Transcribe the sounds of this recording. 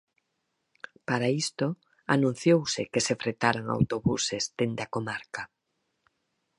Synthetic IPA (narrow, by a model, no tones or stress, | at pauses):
paɾaist̪o | a̰nũn̟θjowsɪkesefɾet̪aɾaŋa̰wt̪oβusesd̪end̪akomaɾka